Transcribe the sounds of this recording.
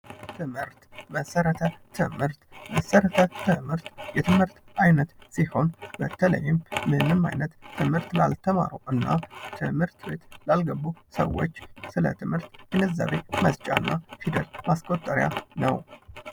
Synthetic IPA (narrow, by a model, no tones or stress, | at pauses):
t̪ʰɨmhɨɾt̪məsəɾət̪ʰət̪ʰɨ̰mhɨɾt̪məsəɾət̪ʰət̪ʰɨmhɨɾt̪jɛt̪ʰɨmhɨɾt̪ʔajnət̪siho̞nbət̪ʰələ̰jːɨmːɨnɨma̰jnət̪t̪ʰːɨmhɨɾt̪lalt̪ʰəma̰ɾoʔɨnːa̰t̪ʰɨmhɨɾt̪be̞t̪lalɡəbːusə̰wːo̞̰t͡ʃːsɨlə̰t̪ʰɨmhɨɾt̪ɡɨnəzːa̰βeməzt͡ʃʼaɨnːʔafid̪əlmaskʼot̪ʼːəɾja̰nə̰w